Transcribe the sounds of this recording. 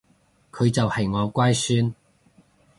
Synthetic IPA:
kʰɵ˨˧ɥt͡sɐ˨whɐ˨jŋɔː˨˧kʷaː˥jsyː˥n

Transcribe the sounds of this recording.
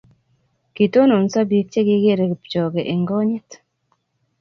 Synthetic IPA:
ki˨to˦no˨n˨sa˦bi˦k̚t͡ʃe˦ɡɪ˦ɡe˦ɾe˨pt͡ʃɔ˨ɡe˨ʔe˨ŋɡɔ˦ɲɪ˦t

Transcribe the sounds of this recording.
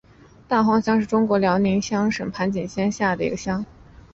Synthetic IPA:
t̪a˥˩xwɑ˥ŋɕjɑ˥ŋʂɻ̩˥˩ʈ͡ʂʊ˥ŋkwɔ˧˥ljɑ˧˥ʊni˧˥ŋɕjɑ˥ŋʂə˨˩npʰa˧˥nt͡ɕi˨˩nɕjɛ˥nɕja˥˩d̪ə˩ḭ˧˥ɡə˧ɕjɑ˥ŋ

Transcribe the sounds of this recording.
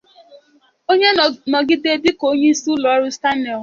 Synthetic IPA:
o˦ɲe˦nɔ˨ɡɪ˦de˦dɪ˦ko˨˦ɲe˦i˦su˦lɔ˨ɔ˦ɾʊ˦sta˦ne˨l

